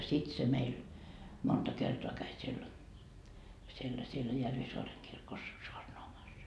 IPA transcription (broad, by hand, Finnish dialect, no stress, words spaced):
sit se meil montɑ kertoɑ kæi siel sielːæ sielːæ jærʋisoɑreŋ kirkos soɑrnoɑmɑs